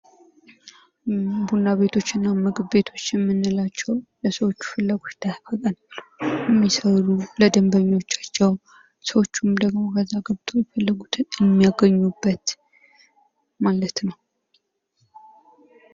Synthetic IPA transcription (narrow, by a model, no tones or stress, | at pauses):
bunːaβe̞t̪ʰo̞t͡ʃːɪnːamɨɡbe̞t̪ʰo̞t͡ʃːjɛmːɨnːɨlat͡ʃːɛwləsəwo̞t͡ʃːu̥fɨlːaɡo̞t͡ʃt̪ʰafəkʼənlujɛmːisəluləd̪əmbəɲːo̞t͡ʃːḁt͡ʃːɛw | səwo̞t͡ʃːumd̪əɡmo̞kʰəzːaɡəβt̪ʰʼojɛfəlːəɡut̪ʰɨɛmːijaɡəɲːubːət̪ | malət̪nəw